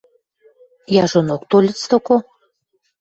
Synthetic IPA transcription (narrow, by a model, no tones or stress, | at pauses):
jɑʒonok̚t̪olʲət͡st̪oko